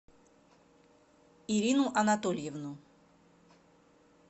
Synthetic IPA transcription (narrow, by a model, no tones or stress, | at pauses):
iɾʲinʊʔɐnat̪olʲjɛvnu